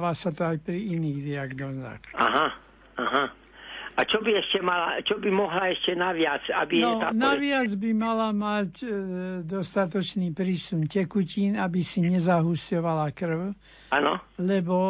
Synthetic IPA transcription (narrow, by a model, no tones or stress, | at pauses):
ʋasat̪ɔajpɾiiniːɣd̪iaɡnɔza̰xa̰ɦa | aɦa | at͡ʃɔbiɛʃcɛmalat͡ʃɔbimɔɦlaɛʃcɛnaʋɪat͡sa̰bijɛnɔt̪anaʋɪad͡zbimalamac | d̪ɔst̪at̪ɔt͡ʃniːpɾiːsuncɛkuciːnabisiɲɛzaɦuscɔʋalakr̩ʊ | anɔ̰lɛbɔ